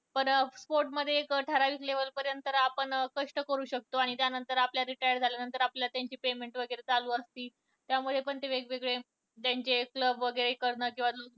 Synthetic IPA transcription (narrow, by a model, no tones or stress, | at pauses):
pəɳspoɾʈməd̪ʱːjekəʈʰəɾaʋisleʋəlpəɾjənt̪əɾapəɳkəʂʈəkəɾuːɕək̚t̪oaɽ̃it̪janənt̪əɾapljaɾiʈajəɾd͡zʱaljanənt̪əɾapljlat̪jaɲt͡ɕiːpemeɳʈʋəɡəɾet͡saluːəst̪iː | t̪jaməd̪ʱːjep̬əɳt̪eʋeɡʋeɡɭe | t̪jaɲt͡ɕekləbʋəɡəɾekəɾɳəːkĩʋalo